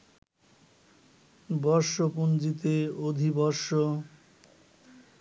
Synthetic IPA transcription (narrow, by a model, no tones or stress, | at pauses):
bɔɾʃopund͡ʑit̪eod̪ʱibɔɾʃo